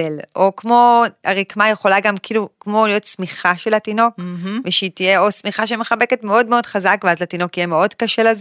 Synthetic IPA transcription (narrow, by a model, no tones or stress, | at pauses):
elʔo̞kmo̞aʁikmajeχo̞laɡamkiːlukmo̞lijo̞tsmiχaʃe̞latino̞kveʃeiːtijeo̞smiχaʃemeχabe̞ke̞tme̞o̞dmeo̞d̥χazakveazlatino̞kijeme̞o̞dkaʃelaz